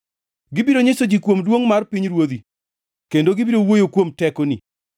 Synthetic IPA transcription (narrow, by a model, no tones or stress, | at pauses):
ɡɪbiɾoɲesod͡ʒikwomdwoŋmarpiɲɾwod̪i | kendoɡɪbiɾowojokwomtɛkonḭ